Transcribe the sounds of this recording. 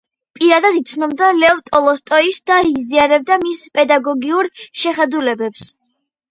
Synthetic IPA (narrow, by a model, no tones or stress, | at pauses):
pʼiɾad̪ad̪it̪sʰnɔbd̪alɛɔvt̪ʼɔlˠɔst̪ʼɔisd̪aiziaɾɛb̚d̪amispʼɛd̪aɡɔɡiuɾʃɛχɛd̪ulɛbɛps